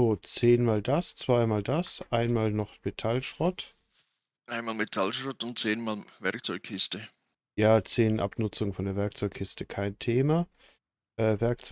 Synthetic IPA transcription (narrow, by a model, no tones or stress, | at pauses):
oːt͡seːnmaːldast͡sv̥aɪmaːldasʔaɪnmaːlnɔχmetʰalʃʁ̥ɔt | ʔaɪnmaːlmetʰalʃʁɔtʊnt̚t͡seːnmaːlvɛɾk̚t͡sɔʏkkʰːɪstə | jaːt͡seːnʔa̰pnʊt͡sʊŋəfɔndeːɐvɛɐk̚t͡sɔʏkʰːɪstəkʰaɪntʰeːma | ʔɛːvɛɐk̚t͡s